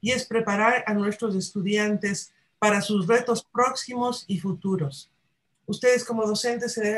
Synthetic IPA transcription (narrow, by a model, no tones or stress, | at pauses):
ie̞spɾe̞paɾaɾanwe̞st̪ɾo̞s̬e̞st̪uðjant̪e̞s | paɾasuzre̞t̪o̞spɾo̞ksimo̞sifut̪uɾo̞s | ust̪e̞ðe̞sko̞mo̞ð̞o̞se̞nt̪esːeðeβe